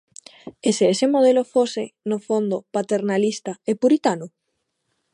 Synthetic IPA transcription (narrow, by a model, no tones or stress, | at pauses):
eseesemoð̞elofosɪnofond̪opat̪eɾnalist̪aepuɾit̪anʊ